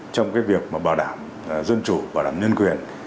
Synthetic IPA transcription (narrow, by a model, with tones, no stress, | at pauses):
t͡ɕɔ˧wŋ͡mkaː˨˦jvi˨˩ək̚maː˨˩ɓaː˨˩wɗaː˧˩m˨ | zə˧nt͡ɕu˧˩˨ɓaː˨˩wɗa̰ː˧˩mɲə˧nkwi˨˩ən